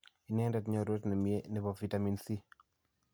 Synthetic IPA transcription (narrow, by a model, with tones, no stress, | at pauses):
i˨nɛ˦ŋdɛ˨tɲɔ˦ɾo˦tnɛ˨mje˦nɛ˨bɔ˨vi˦tami˨nsi˦